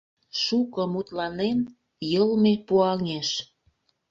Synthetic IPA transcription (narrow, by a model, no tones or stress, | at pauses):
ʃukɤ̆mut̪lɑnen | jəlmepuɑŋeʃ